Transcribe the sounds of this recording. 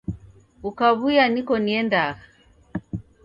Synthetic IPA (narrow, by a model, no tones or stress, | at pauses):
ukaβujanikɔniɛndaɣa